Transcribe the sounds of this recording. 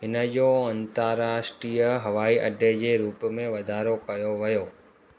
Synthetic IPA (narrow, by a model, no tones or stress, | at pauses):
ɦɪnəd͡ʑoɐ̃nt̪əɾaːʃʈɾiːəɦɐʋaːiʔɐ̰ɖed͡ʑeːɾuːpmẽʋɐd̪ʱaːɾokɐjoʋɐjoː